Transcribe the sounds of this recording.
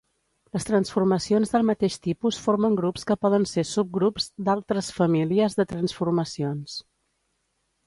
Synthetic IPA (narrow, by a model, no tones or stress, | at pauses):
ləst̪ɾənsfurməsionzðəlˠmət̪eʃt̪ipusfoɾməŋɡɾupskəpɔðənsesup̚ɡɾupzd̪alˠt̪ɾəsfəmiliəzðət̪ɾənsfurməsions